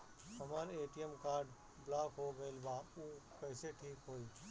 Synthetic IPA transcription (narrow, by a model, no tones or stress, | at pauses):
ɦəməɾeːʈiəmkaːɾɖ | blaːkɦoɡəɪlbauːkəɪseʈʰiːkɦoːiː